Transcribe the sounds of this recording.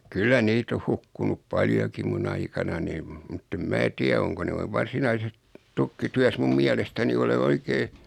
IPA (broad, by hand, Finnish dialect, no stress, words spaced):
kylːæ niːt oh hukːunup pɑljokim mun ɑikɑnɑnim mutː em mæː tiæ oŋko noi ʋɑrsinɑises tukːityæs mum miælestæni ole oikeː